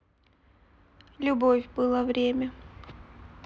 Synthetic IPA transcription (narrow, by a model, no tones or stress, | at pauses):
lʲʊbofʲbɨlˠəvɾʲemʲə